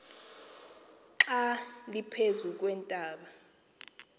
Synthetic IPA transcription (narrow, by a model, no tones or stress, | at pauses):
ǁalipʰezuk̬ʼwɛntʼaːɓa